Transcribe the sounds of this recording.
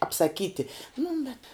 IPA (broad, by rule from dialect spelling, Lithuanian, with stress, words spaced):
ɐpsɐˈkʲiːtʲɪ nʊ bʲɛt